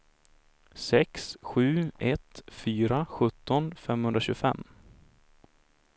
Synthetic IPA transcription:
sɛksɧʉ̟ːɛt̪fyːɾaɧɵt̪ːɔnfɛmhɵnd̪ɾaɕʉːɡfɛ̰mː

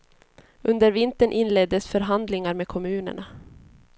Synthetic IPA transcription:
ɵnd̪əɾvɪnt̪əɳʔɪnlɛd̪ːəsfœɾɦand̪lɪŋaɾmeːkʰɔmʉ̟ːnə̰ɳa

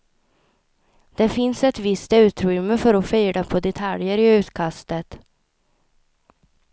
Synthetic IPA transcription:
d̪̥ɛfɪnsɛt̪vɪst̪ʉ̟ːt̪ɾʏmːəfœɾɔfœːɖapʰɔd̪ɛt̪ʰaljəɾɪʉ̟ːt̪kʰast̪ət̪

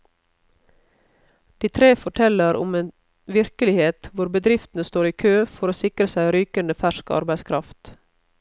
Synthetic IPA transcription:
d̪̥iːt̪ʰɾeːfɔʈʰɛləɾʔʊ̰meːn | ʋɪɾkəlɪheːt̪ʋʊɾbəd̪ɾɪft̪n̩əst̪oːɾiːkʰøːfɔɾoːsɪkɾəsæɪɾyːkənd̪əfæʃkɑ̰ɾbæɪskʰɾɑft̪

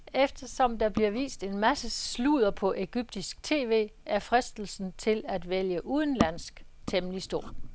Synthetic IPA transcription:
efd̥ɐsɒ̽md̥ɑ̈b̥liɐʋḭːsd̥e̝nmæsəsluð̞ˠɐpʰɒ̽ʔe̝ɡ̥yb̥̚d̥isɡ̥t͡sʰe̝̰ːʋe̝̰ːæɐfʁɛsd̥l̩sn̩t͡sʰe̝læd̥ʋeljəʔuːð̞ˠn̩læn̰sɡ̥t͡sʰemlisd̥o̝ɐ̰

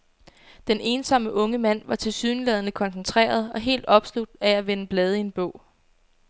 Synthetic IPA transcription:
d̥ene̝ːnsɒ̽məʔɔ̽ŋəmæn̰ʋɑ̈t͡sʰe̝lsyːnlɛð̞ˠənəkʰɒ̽nsent͡sʰʁḛːɐð̞ˠɒ̽ɦe̝̰ːld̥ɒ̽b̥slud̥ææʋenəb̥lɛːð̞ˠie̝nb̥ɔ̰̽ʊ̰

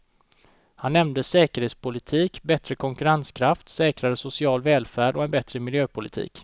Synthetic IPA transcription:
hanːɛmnd̪əsɛːkəɾheːt̪spʊlɪt̪ʰiːkbɛt̪ɾəkʰɔŋkɵɾanskʰɾaft̪sɛːkɾaɾəsʊsɪɑːlvɛːlfæːɖɔɛnbɛt̪ɾəmɪljøːpʰʊlɪt̪ʰḭːk

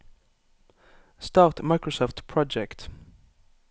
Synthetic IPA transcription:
stɑtmaɪkɹɔsɔft̪pʰɹ̥ɔd͡ʒɛkt

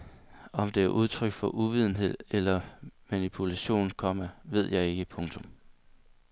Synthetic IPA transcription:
ɒ̽md̥e̝æɐʔuð̞ˠt͡sʰʁœɡ̥fɒ̽ʔuʋið̞ˠn̩ɦe̝ð̞̰ˠelɐmænipʰulæɕo̝̰ːnkʰɒ̽m̰əʋe̝ð̞̰ˠjɑ̈ɪe̝ɡ̥əpʰɔ̽ŋt͡sʰɔ̽m

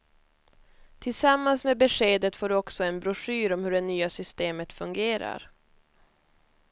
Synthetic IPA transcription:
t̪ʰɪlsamːansmeːbɛʂeːd̪ət̪foːɖɔksɔɛnbɾʊʂyːɾɔmhɵɖɛnyːasʏst̪eːmət̪fɵŋɡeːɾa̰ɾ

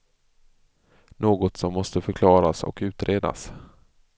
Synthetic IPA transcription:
noːɡɔt̪sɔmːɔst̪əfœɾkʰlɑːɾasɔ̰kʉ̟ːt̪ɾeːd̪a̰s

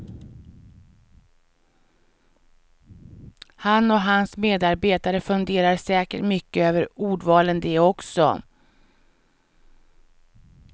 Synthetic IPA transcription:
hanːɔɦansmeːd̪aɾbeːt̪aɾəfɵnd̪eːɾaɾsɛːkə̰ʈmʏkːəøːvəɾuːɖvɑːlənd̪ɛɔksɔ̰

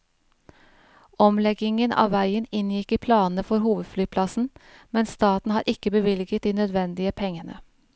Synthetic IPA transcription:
ʔɔmlɛɡɪŋənɑ̰ːʋæɪənɪnjɪkiːpʰlɑːnn̩əfɔɾhuːʋəd̪flyːpʰlɑsn̩mɛnst̪ɑːt̪n̩hɑːɾʔɪkəbəʋɪlɡət̪̚d̪iːnœd̪ʋɛnd̪ɪəpʰɛŋənə̰

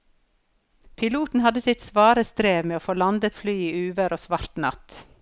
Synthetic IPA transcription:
pʰɪluːt̪n̩hɑd̪əsɪt̪sʋɑːɾəst̪ɾeːʋmeːoːfoːlɑnd̪ət̪flyːiːʉːʋəɾʔoːsʋɑɾt̪nɑ̰t̪

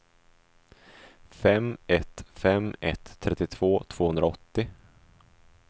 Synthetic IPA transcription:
fɛmɛt̪fɛmɛ̰t̪ʰːɾɛt̪ːɪt̪ʰv̥oːt̪ʰv̥oːhɵnɾaɔt̪ːɪ

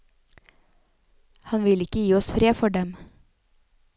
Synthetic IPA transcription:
hɑnʋɪlɪkəjiːɔsfɾeːfɔɖɛm

